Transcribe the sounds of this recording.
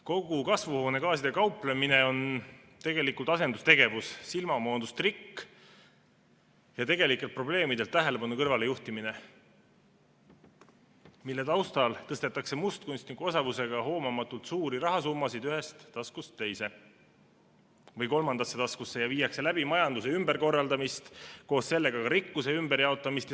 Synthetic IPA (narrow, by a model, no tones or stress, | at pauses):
ko̞ɡukɑsvuho̞ːne̞kɑːsid̪̥e̞kɑwplemine̞o̞n | t̪e̞ɡe̞likˑult̪ɑse̞nd̪̥ust̪e̞ɡ̥e̞vusːilmɑmo̞ːnd̪ust̪rikː | jɑt̪e̞ɡe̞likːˑelt̪̚pro̞ble̞ːmid̪e̞lt̪ːæɦe̞le̞pɑnukɤrvɑle̞juht̪imine̞ | milːet̪ɑwst̪ɑlt̪ɤst̪et̪ːˑɑkse̞must̪̚kunsʲt̪nikuo̞sɑvuse̞ɡ̥ɑɦo̞ːmɑmɑt̪ːˑult̪suːɾiɾɑɦɑsumːɑsid̪̥yɦe̞st̪ːɑskust̪ːe̞jse̞ | vɤjko̞lmɑnd̪̥ɑsːe̞t̪ɑskusːe̞jɑviːjɑkse̞læb̥imɑjɑnd̪us̬e̞ymbe̞ɾko̞rːɑld̪ɑmist̪ko̞ːsse̞lːe̞ɡɑkɑɾikːuse̞ymbeɾjɑo̞t̪ːˑɑmist̪ɑ